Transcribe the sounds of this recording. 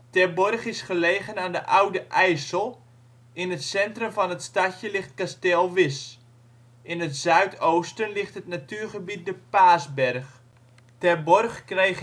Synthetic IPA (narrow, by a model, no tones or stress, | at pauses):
tɛbɔrχɪsχəleːɣənaːndəʔawdəʔɛjsəlˠ | ɪnətsɛntrəmfɑnətstacjəlɪχt̚kastelˠʋɪs | ʔɪnətz̥œɥtʰowstənlɪχtɦətnatyːrχəbit̚dəpaːsbɛrχ | tɛbɔrχkrej